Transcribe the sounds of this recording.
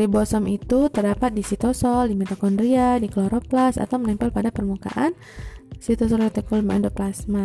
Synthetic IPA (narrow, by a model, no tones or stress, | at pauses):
ɾibɔsɔmit̪ut̪ərdapat̪̚disit̪ɔsɔldimɛt̪akɔndɾiadiklɔɾoplasa̰t̪awmənɛmpalpadapərmuka̰ʔan | sit̪ɔsɔlɛt̪ɛkɔlmandoplasma